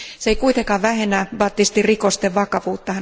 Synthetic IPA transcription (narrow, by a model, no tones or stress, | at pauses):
seikuit̪eŋkɑːʋʋæhenːæb̥ɑt̪ːist̪irikost̪eʋʋɑkɑʋuːt̪ːɑhæ